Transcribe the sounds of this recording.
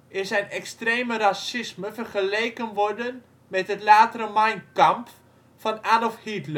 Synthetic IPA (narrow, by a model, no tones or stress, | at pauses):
ɪnsɛjnɛkstreːmərasɪsməfərχəleːkənʋɔrdən | mɛtɦətlaːtəɾəmajnkamp | fɔnadɔfhitlə